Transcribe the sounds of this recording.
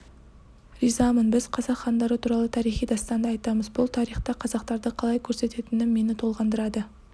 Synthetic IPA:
ɾizɑmənbɪzqʰɑzɑqχːɑnd̪ɑɾət̪ʰuɾɑlˠət̪ʰɑɾijχijd̪ɑst̪ɑnd̪əɑjt̪ɑməzbʊlˠt̪ʰɑɾijχt̪ɑqʰɑzɑq̚t̪ɑɾd̪əqʰɑlˠɑjkʲʰɵɾse̞t̪e̞t̪ɪnɪmmːe̞nɪt̪ʰo̞lˠʁɑnd̪əɾɑd̪ə

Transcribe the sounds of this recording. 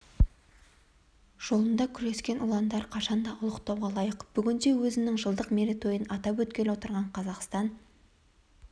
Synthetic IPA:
ʒ̥o̞lˠənd̪ɑkʲʰʏɾe̞skʲe̞nʊlˠɑnd̪ɑɾqʰɑʃɑnd̪ɑʔʊlˠəqt̪ɑwʁɑlˠɑjəqb̥ʏɡʲɪnd̪e̞wɵzɪnɪŋʒəlˠd̪əqmeɾet̪o̞jənɑt̪ɑpwɵt̪̚kʲe̞ɾwo̞t̪əɾʁɑɴqʰɑzɑqst̪ɑn

